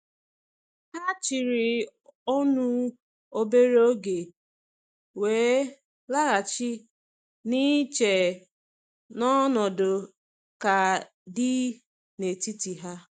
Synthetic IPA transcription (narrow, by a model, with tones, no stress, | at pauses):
ha˦t͡ʃi˨ɾi˨o˦nu˦ | o˦be˦ɾo˦ɡe˨ | weː˨˦ | la˦ɣa˨t͡ʃi˦ | ni˦t͡ʃe˨ | nɔ˦nɔ˨do˨ | ka˨ | dɪ˦ | ne˨ti˦ti˨ɦa˦